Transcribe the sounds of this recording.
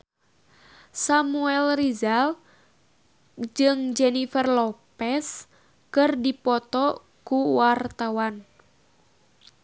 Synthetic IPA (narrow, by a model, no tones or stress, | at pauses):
samuɛlrizal | d͡ʒɨŋd͡ʒɛnifərlɔpɛs | kɨrdipɔt̪ɔ | kuwart̪awan